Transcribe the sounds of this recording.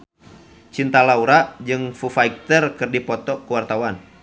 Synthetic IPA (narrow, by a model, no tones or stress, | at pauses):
t͡ʃint̪alauɾad͡ʒɨŋfufaik̚t̪ərkɨrdipɔt̪ɔkuwart̪awan